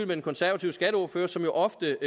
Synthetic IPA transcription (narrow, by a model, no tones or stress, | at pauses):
lmed̥enkʰɒ̽nsæɐʋæt͡sʰiʊsɡ̥æɾəɔ̝ɐføɐsɒ̽mjo̝ʔɒ̽fd̥ə